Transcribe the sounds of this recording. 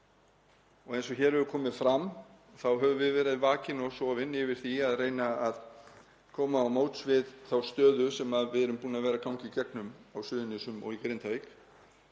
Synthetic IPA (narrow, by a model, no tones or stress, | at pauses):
ɔɣejnsɔçɛːɾɛɾʏkʰɔːmɪðfɾam | θawɦœvʏmvɪðvɛːɾɪðvaːcɪnɔsɔːvɪnɪvɪɾ̥θiaðreːjnaað | kʰɔːmaːwmoːwt̪svɪðθawst̪œːðʏsɛmaðvɪðɛɾʏmpuːnaðvɛːɾakawŋcɪcɛk̚nʏmawsʏːðʏnɪsʏmɔ̰ɣikɾejnt̪avek